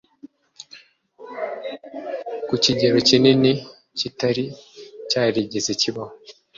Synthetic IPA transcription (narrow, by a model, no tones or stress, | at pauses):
kuciɟeɾocinini | citaɾicaːɾiɟezeciβaho